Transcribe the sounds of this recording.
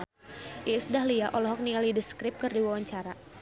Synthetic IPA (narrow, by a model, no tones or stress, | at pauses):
ʔisdahliaʔɔlɔɦɔk̚niŋalidəskɾɪp̚kɨrdiwawaɲt͡ʃaɾa